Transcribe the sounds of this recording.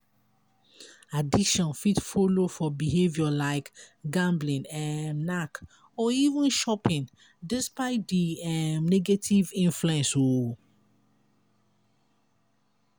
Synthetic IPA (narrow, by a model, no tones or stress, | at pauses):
adiʃɔ̃nfitfolofɔbiɦevjɔlaɪkɡãmblĩnɛmnak | ɔivə̃nʃɔpĩn | dɛspaɪt̚diɛmnɛɡetʰivĩnfluɛ̃nso